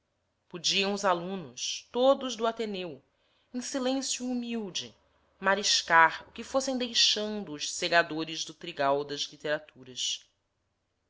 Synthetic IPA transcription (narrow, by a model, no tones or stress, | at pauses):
pud͡ʒiɐ̃w̃ʊzalũnʊʃt̪od̪ʊʒd̪ʊat̪enew | ẽsilẽsjuːmiwd͡ʒɪ | maɾiʃkaɾʊkɪfosẽj̃d̪ejʃɐ̃nd̪ʊːʃseɡad̪oɾɪʒd̪ʊt̪ɾiɡawd̪ɐzlit̪eɾat̪ʰuɾɐs